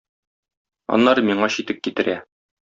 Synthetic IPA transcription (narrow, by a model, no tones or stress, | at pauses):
ɒ̰nːɑɾɤmiɴɑɕit̪ɘp̚kit̪ɘ̆ɾæ